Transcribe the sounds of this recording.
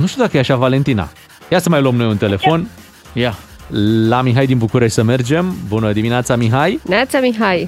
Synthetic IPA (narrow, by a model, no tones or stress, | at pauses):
nuʃt̪iud̪akəjeaʃavale̞nt̪ina̰ | jasəmajluəmno̞junt̪e̞le̞fo̞n | ja | lamiɦajd̪inbukuɾeʃʲsəme̞rd͡ʒe̞mbunəd̪imineat̪samiɦajinat̪samiɦaj